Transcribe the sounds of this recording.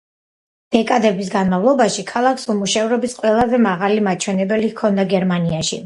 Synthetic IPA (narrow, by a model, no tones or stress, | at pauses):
d̪̥ɛkʼad̪ɛbis̬ɡanmavlˠɔbaʃikʰalˠakʰsumuʃɛvɾɔbisqʼwɛlˠazɛmaʁalimat͡ʃʰwɛnɛbɛlikʰɔnd̪aɡɛɾmaniaʃḭ